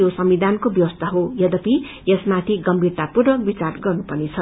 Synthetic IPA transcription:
josʌmid̪ʱankobjʌwʌst̪aɦojʌd̪ʌpi | jesmat̪ʰiɡʌmbʱirt̪apuɾʌbit͡sarɡʌrnupʌnit͡sʰʌ

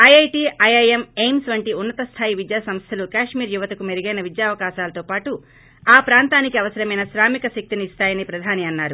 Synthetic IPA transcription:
ɐjɐjʈiːɐjɐjemejmsʋɐɳʈiunːɐt̪ɐst̪ʰaːjiʋid̪jaːsɐmst̪ʰɐlukaːʂmiːɾjuʋɐt̪ɐkumeɾiɡɐjnɐʋid̪jaːʋɐkaːʃaːlɐt̪oːpaːʈu | aːpɾaːnt̪aːnikiɐʋɐsɐɾɐmɐjnɐʃɾaːmikɐsɐk̚t̪iniist̪aːjɐnipɾɐd̪ʱaːniɐnːaːɾu

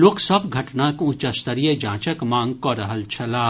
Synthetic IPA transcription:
loːksəbɡʱɐʈnakʊ̃t͡ʃəst̪əɾijed͡ʒãːt͡ʃəkmãːŋɡkɔɾəɦəlt͡ʃʰəlaː

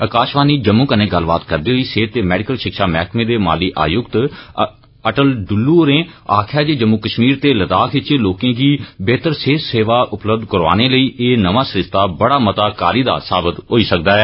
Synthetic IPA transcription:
əkaːʃʋaːniːd͡ʒəmːũːkənẽːɡəlbaːt̪kəɾd̪eːɦoiːseːt̪ːeːmɛːɖɪkəlʃɪkʃaːmɛ̰ːkʰmẽːd̪eːma̰ːliːʔa̰ːjʊkt̪ | əʈəlɖʊlːuːoɾẽːaːkʰjaːd͡ʒeːd͡ʒəmːũːkəʃmiːɾt̪eːlət̪aːkʰɪt͡ʃeːloːkẽːɡiːbeːt̪əɾseːseːʋaːʔʊpləb̚d̪kəɾʋa̰ːneːləiːʔeːnəʋãːsɾɪʃt̪aːbəɽaːmət̪aːkaːɾiːd̪a̰ːsaːbət̪ɦoːiːsək̚d̪aːɛː

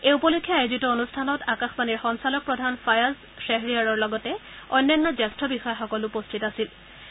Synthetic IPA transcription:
ejupɔlikʰːiaezitɔonustʰanɔtakaxmaniɹxɔnsalɔk̚pɹɔdʱanfʰajaz | seɦɹiaɹɔɹlɔɡɔtɛ | ɔjnːanːɔzɛstɹɔbixɔjɔxɔkɔlʊpɔstʰitasil

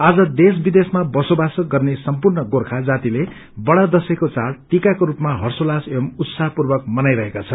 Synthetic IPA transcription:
ad͡zʌd̪esbid̪esmabʌsobasʌkɡʌrnesʌmpurnʌɡorkʰad͡zat̪ile | bʌɽad̪ʌsekot͡saɽʈikakoɾupmaɦʌrsolasemut̪saɦpurbʌkmʌnajɾʌɦekat͡sʰʌ

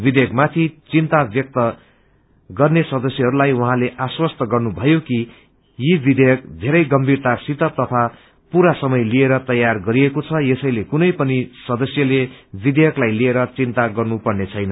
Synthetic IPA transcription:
bid̪ʱejʌkmat̪ʰit͡sint̪abjʌk̚t̪ʌ | ɡʌrnesʌd̪ʌsjʌɦʌɾulajwuɦãleʔaswʌst̪ʌɡʌrnubʱʌjoki | jibid̪ʱejʌk̚d̪ʱeɾʌjɡʌmbʱirt̪asit̪ʌt̪ʌt̪ʰa | puɾasʌmʌjlieɾʌt̪ʌjarɡʌɾiekot͡sʰʌjesʌjlekunʌjpʌnisʌd̪ʌsjʌlebid̪ʱejʌklajlieɾʌt͡sint̪aɡʌrnupʌrnet͡sʰʌjnʌ

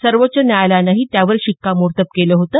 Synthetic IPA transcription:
səɾʋət͡ɕənjajlanaɦit̪jaʋəɾɕikːamuɾt̪əp̚keləːɦot̪əː

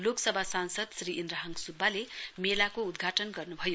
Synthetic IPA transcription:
loksʌbʱasansʌd̪sriʔind̪ɾaɦʌŋɡsubːalemelakoud̪ɡʱaʈʌnɡʌrnubʱʌjo

